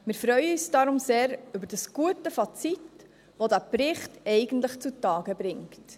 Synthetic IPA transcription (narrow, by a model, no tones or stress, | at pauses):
mɪɾfɾœʏəysd̥ɑɾʊmseːɾybəɾd̥əsɡ̥uətəfɑt͡sit | ʋodæpɾɪχtɛɪɡ̥əntləχt͡sutɑːɡəbɾɪŋkt